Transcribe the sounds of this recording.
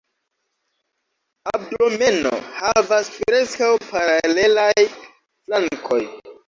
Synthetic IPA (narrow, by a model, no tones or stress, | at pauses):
ab̚dome̞no̰havaspɾe̞skawpaɾale̞laj | flaŋkʰo̞̰j